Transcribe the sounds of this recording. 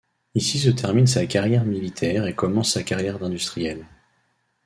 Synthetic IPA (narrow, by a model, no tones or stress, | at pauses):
isis̬ət̪ʰɛʁminsakaʁjɛʁmilit̪ʰɛʁekɔmɑ̃sːakaʁjɛʁd̪ɛ̃d̪yst̪χijɛl